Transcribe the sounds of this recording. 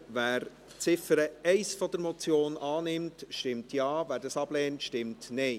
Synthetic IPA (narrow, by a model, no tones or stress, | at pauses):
væːɾ | t͡sɪfəɾəɛɪsfɔd̥əɾmɔt͡sjoːnʔɑːnɪmtʃtɪmtʰjɑːvæːɾdɑsɑb̥lɛːntʃtɪmtnɛɪ